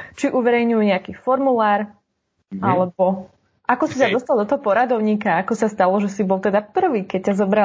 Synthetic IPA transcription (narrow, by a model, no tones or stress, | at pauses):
t͡ʃiʔuʋɛɾɛjɲujuɲɛakifɔɾmulaːɾ | alɛbɔ | ʔakɔsitad̪ɔst̪alˠd̪ɔt̪ɔɦɔpɔɾad̪ɔʊɲiːkaakɔsast̪alɔʒɛsibɔlˠt̪ɛd̪apr̩ʋiːkɛc̚cazɔbɾa